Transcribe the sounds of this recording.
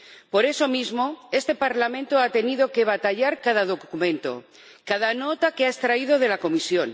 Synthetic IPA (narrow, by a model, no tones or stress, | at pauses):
po̞ɾe̞so̞mizmo̞e̞st̪e̞paɾlamẽnt̪oat̪e̞niðo̞ke̞β̞at̪aʎaɾkaðaðo̞kumẽ̞nt̪o̞̰ | kað̞ano̞t̪akeaest̪ɾaið̞o̞ð̞e̞lako̞misjon